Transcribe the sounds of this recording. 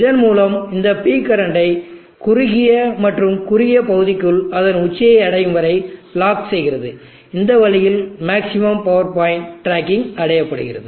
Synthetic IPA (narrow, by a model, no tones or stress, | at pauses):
ɪðɐnmuːlɐmɪnd̪ɐpiːkɐɾɐɳɖɐɪ | kʊɾʊɣɪjɐmɐʈrɯmkʊɾɪjɐpɐɣɯðɪkːɯlɐðɐnʊt͡ʃːɐjɐɪɐɽɐjɯnʋɐɾɐɪɭaːksɛjɣɪɾɐðɯ | ɪnd̪ɐʋɐɭɪjɪlmaːksɪmɐmpɐʋɐɾpaːɪɳʈɾaːkɪŋɐɽɐjɐpːɐɽɯ̰ɣɪrɐ̰ðɯ